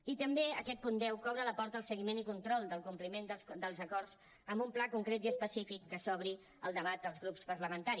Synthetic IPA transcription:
it̪əmbeəkɛt̪̚pund̪ɛwkɔβɾələpɔɾt̪əːlˠsəɣimenikunt̪ɾɔlˠd̪əlˠkumplimend̪əd̪əlˠzəkɔrz | əmbumplakuŋkɾet̪iəspəsifikːəsɔβ̞ɾi | əlˠd̪əβ̞at̪̚d̪əlˠzɣɾupspəɾləmənt̪aɾi

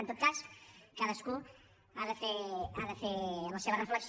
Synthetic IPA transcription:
nt̪ot̪̚kaskaðəsku | aðəfeaðefelɐseβərefləks

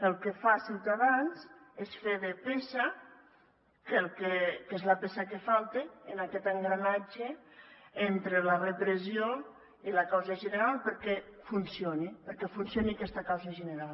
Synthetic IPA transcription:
əlˠkefasiwt̪aðanzesfeðepesa | kelˠkekezlapesakefalˠt̪eːnakɛt̪eŋɡɾanad͡ʒe | ent̪ɾelarepɾezio | ilakawzaʒeneɾalˠpəɾkɛfunsionipəɾkɛfunsjoniakɛst̪akawzaʒəneɾal

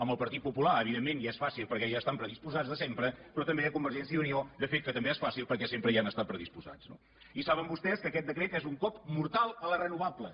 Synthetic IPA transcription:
əmbəlˠpəɾt̪it̪̚pupulaəβiðemːenjaɛsfasilˠpəɾkɛʒaːst̪ampɾəðispuzad͡zðəsempɾəpɾɔt̪əmbeðəkumbəɾʒɛns̬jəuniod̪əfet̪̚kət̪əmbeɛsfasilˠpəɾkɛsempɾəianəst̪at̪̚pɾəðispuza̰t͡sno̰ | isaβəmbust̪ɛskəːkɛt̪̚d̪əkɾɛt̪ɛzuŋkɔpmuɾt̪alˠəlˠərənuβ̞ablə

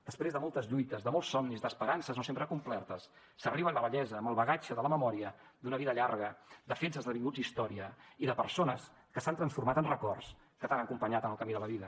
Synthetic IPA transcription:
d̪əspɾezðəmɔlˠt̪əzʎujt̪əzðəmɔlˠsːɔmnizd̪əspəɾansəznosempɾəkumplɛrt̪əsː | əriβənləβəʎɛzəːməlˠβəɣat͡ʃəðələməmɔɾiə | d̪unəβiðəʎarɣəd̪əfensəzðəβiŋɡud͡zd̪ist̪ɔɾiəiðəpəɾsonəs | kəsant̪ɾənsfuɾmat̪ənrəkɔrs | kət̪anəkumpəɲat̪ənəlˠkəmiðələβiðə

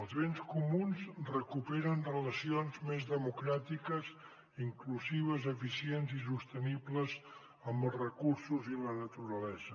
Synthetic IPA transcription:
əlˠzβenskumunzrəkupɛɾənrələsionzmezðəmukɾat̪ikəz | iŋkluziβ̞əzəfisienzisust̪ənibləz | əmbəlˠzrəkuɾsuzilənət̪uɾəlɛzə

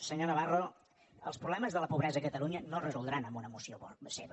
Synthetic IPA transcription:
səɲonəβ̞aro | əlˠspɾuβlɛməzðələpuβɾɛzəːkət̪əluɲənorəzulˠd̪ɾanəmbunəmusiopseβ

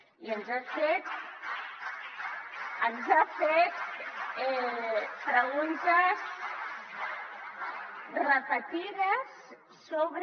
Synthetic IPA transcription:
iənzafet̪ | ənzafet̪ | pɾəɣunt̪əs | rəpət̪iðəsː | oβɾ

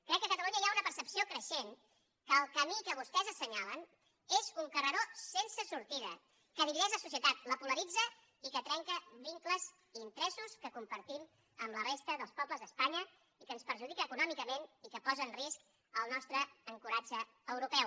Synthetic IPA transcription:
kɾɛkːəkət̪əluɲəiaunəpəɾsəpsiokɾəʃen | kəːlˠkəmikəβust̪ɛzəsəɲalən | ezuŋkərəɾosensəsuɾt̪iðə̰ | kəðiβiðɛʒəsusiət̪at̪ləpuləɾid͡zə | ikət̪ɾɛŋkəβiŋkləz | int̪ɾɛsuskəkumpəɾt̪im | əmlərest̪əðəlˠspɔbləzðəspaɲə | ikəːnspəɾʒuð̞ikəːkunɔmikəmenikəpɔzənrisk | əlˠnɔst̪ɾəːŋkuɾad͡ʒəː | wɾupɛ

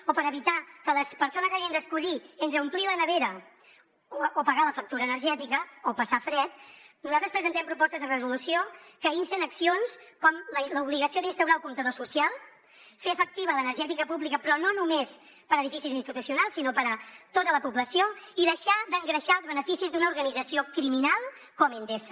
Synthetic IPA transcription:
opəɾəβit̪akələspəɾsonəzaɣiənd̪əskuʎient̪ɾəumplilənəβeɾə | opəɣaləfək̚t̪uɾəːnəɾʒɛt̪ikəopəsafɾɛt̪̚nuzalˠt̪ɾəspɾəzənt̪ɛmpɾupɔst̪əzðərəzulusiokəinsənəksionskɔmlləuβliɣəsioðinst̪əwɾaəlˠkumt̪əðosusialˠ | feəfək̚t̪iβələnəɾʒɛt̪ikəpuβlikəpɾɔnonumes | pəɾəðifisizinst̪it̪usiunalˠsːinopəɾət̪ot̪ələpubləsioiðəʃad̪əŋɡɾəʃaəlˠzβənəfisizd̪unəuɾɣənid͡zəsiokɾiminalˠ | kɔmend̪esə

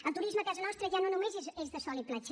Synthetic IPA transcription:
ɐlt̪uɾiʒmɐkɛzɐnɔʃt̪ɾɐʒanõnũmezezezðɐsɔlˠiplˠat͡ʃ

